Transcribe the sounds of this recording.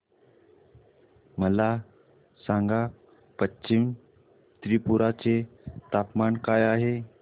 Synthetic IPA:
məla | saŋɡa | pətːɕim | t̪ɾipuɾat͡set̪apmaɳkajaɦe

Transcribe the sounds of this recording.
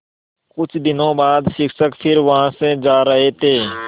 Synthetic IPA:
kʊt͡ʃʰd̪ɪnõːbaːd̪ʃɪksəkpʰɪɾʋɐɦãːsed͡ʒaːɾɐɦet̪ʰeː

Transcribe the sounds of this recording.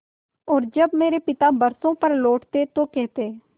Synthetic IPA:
ɔːɾd͡ʒəbmeːɾeːpɪt̪aːbəɾsõːpəɾloːʈt̪eːt̪õːkɛːt̪eː

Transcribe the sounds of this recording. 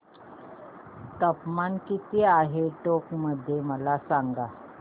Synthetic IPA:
t̪əpmankit̪iaɦeʈokməd̪ʱːjeməlasaŋɡa

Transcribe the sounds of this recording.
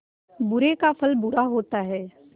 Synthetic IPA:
bʊɾekafʰɐlbʊɾaɦoːt̪aɦɛː

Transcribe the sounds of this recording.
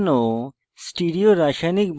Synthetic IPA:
no | sʈiɖioɾaʃanik̚b

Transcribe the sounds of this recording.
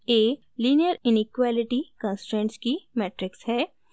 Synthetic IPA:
eː | liːnijəɾɪnɪkwaːlɪʈikãːnsʈɾẽːɳʈskimɛːʈɾɪkshɛː

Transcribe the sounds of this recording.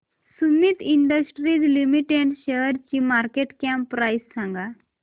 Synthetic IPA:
sumiːt̪iɳɖəsʈɾiːd͡zlimiʈeɖɕeɦəɾt͡ɕiːmaɾkeʈkampːɾajsːãŋɡa

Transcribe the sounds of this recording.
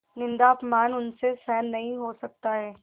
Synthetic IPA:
nɪ̃nd̪aɐpmaːnʊnsesɛːnːɐɦĩɦosɐk̚t̪aɦɛː

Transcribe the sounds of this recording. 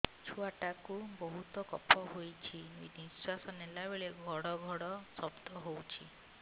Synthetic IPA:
t͡ʃʰuaʈakubɔɦut̪ɔkɔ̰pʰɔɦojt͡ʃʰinḭniswasɔnelabeɭeɡʱɔɽɔɡʱɔɽɔsɔbd̪ʱɔɦowt͡ʃʰi

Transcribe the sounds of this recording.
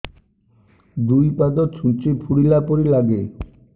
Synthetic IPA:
d̪ujpad̪ot̪ʃʰunt͡ɕepʰuɽilapoɾilaɡe

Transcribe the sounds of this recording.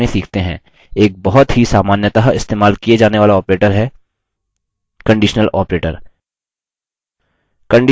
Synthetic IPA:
ẽsiːkʰt̪eɦɛ̰̃ː | eːk̚bɔɦɔt̪ɦisaːmaːnjət̪aɦɪst̪eːmaːlkijed͡ʒaːneʋaːlaɔːpɾeːʈəɾɦɛː | kɐ̃ɳɖiːʃnəlɔːpɾeːʈə̰ɾ | kə̃ɳɖ

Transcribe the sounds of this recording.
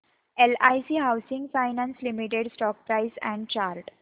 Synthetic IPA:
elajsiɦawsĩŋɡfaɪnãnslimiʈeɖsʈɔːk̚pɾaɪsɛ̰̃ɳɖt͡ɕaɾʈ

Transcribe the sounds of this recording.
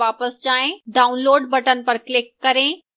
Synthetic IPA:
ʋapəsd͡ʑaɦẽɖaunloːɖbəʈənpəɾklikːəɾẽ

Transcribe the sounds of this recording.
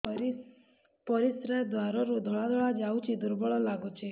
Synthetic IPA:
pɔɾisɾajd̪ʋaɾɔɾud̪ʱɔɭad̪ʱɔɭad͡ʒawt͡ʃʰid̪uɾbɔɭɔlaɡot͡ʃʰe

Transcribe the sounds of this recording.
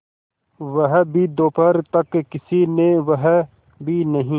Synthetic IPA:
ʋɐɦbʱid̪oːpəɾt̪ɐkkɪsineʋɐɦ | bʱinɐɦĩː

